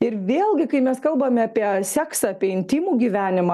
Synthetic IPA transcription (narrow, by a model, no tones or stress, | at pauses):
ɪɾʋʲeːlˠʲɡʲɪkɐɪmʲɛskɐlˠbɐmʲɑːpʲiɛsʲæːksɐpʲiɛɪnʲt̪ʲimuːɡʲiʋʲæːnʲɪmɑ